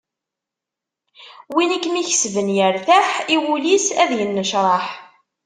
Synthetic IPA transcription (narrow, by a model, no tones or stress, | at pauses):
winikːmiçə̥svənjəɾθæħiwulisæðjənːəʃɾˤɑħ